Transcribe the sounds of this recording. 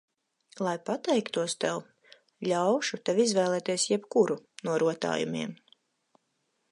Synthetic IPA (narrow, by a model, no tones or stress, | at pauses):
lˠajpat̪ɛjkt̪uɔst̪ɛw | ʎʲawʃut̪ɛvizvɛːlˠɛːt̪iɛsjɛbkuɾunuɔɾuɔt̪a̰ːjṵmḭɛm